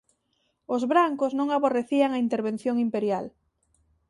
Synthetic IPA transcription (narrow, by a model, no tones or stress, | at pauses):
ʊzβɾaŋkʊznõŋaβoreθiaŋaint̪eɾβẽnθjoŋimpeɾjal